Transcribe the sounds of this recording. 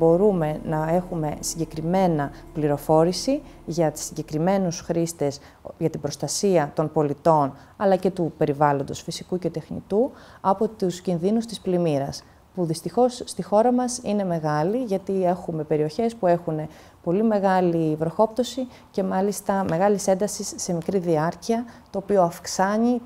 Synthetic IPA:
bo̞ɾume̞nɐe̞xume̞siɲɟe̞kɾime̞nɐpliɾo̞fo̞ɾisiʝɐt̪i̥sːiɲɟe̞kɾime̞nusxɾist̪e̞s | ʝɐt̪ibɾo̞st̪ɐsiɐt̪o̞npo̞lit̪o̞n | ɐlɐce̞t̪upe̞ɾivɐlo̞nd̪o̞sfisikuce̞t̪e̞xnḭt̪u | ɐpo̞t̪uscinðinust̪isplimiɾɐs | puðist̪ixo̞sːt̪ixo̞ɾɐmɐsine̞me̞ɣɐliʝɐt̪ie̞xume̞pe̞ɾio̞çe̞spue̞xune̞ | po̞lime̞ɣɐlivɾoxo̞pt̪o̞si | ce̞mɐlist̪ɐme̞ɣɐlise̞nd̪ɐsisːe̞mikɾiðiɐɾciɐt̪o̞ːpioɐfksɐɲi

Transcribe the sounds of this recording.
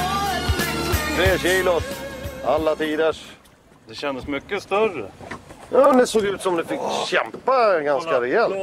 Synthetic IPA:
t̪ʰɾeːɕiːlʊɾalːat̪ʰiːd̪əʂ | d̪ɛɕɛnd̪əsmʏkːəst̪œrəjɑːmɛnd̪ɛsoːɡʉ̟ːt̪sɔmd̪ɛfɪkːɕɛmpːaɡanskaɾɛɛlt̪

